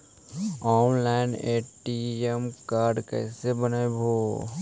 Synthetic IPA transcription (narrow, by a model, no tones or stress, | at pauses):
ɔːnlaːɪneːʈiemkaːɾɖkɛ̰ːsebənabʱoː